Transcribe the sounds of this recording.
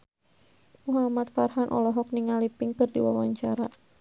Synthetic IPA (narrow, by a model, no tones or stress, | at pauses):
muɦamat̪farɦanʔɔ̰lɔɦɔk̚niŋalipiŋkɨrdḭwa̰waɲt͡ʃaɾa